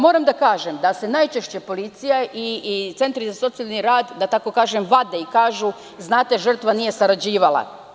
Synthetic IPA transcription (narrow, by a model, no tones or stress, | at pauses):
mo̞ːɾamd̪akaːʒemd̪ase̞naːjt͡ʃeʃt͡ɕepo̞lit̪sijaʔit̪se̞nt̪ɾizaso̞t̪sialniɾaːd̪d̪ːat̪ako̞kaːʒemʋad̪eikaːʒu | znaːt̪e̞ʒr̩t̪ʋanije̞saɾad͡ʑiːʋalˠa̰